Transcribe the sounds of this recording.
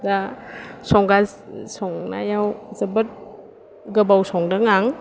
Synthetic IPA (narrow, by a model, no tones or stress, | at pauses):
dasɔŋɡassɔŋna̰jawzɐbɯt̚ | ɡɐbawsɔŋdaŋaŋ